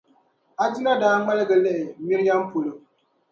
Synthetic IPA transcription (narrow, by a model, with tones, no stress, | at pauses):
a˨d͡ʒi˦na˦daː˦ŋ͡ma˦lɨ˦ɡɨ˨lɛ˦ʔɪ˨mi˦ɾi˦ja˦mpo˨lɨ˦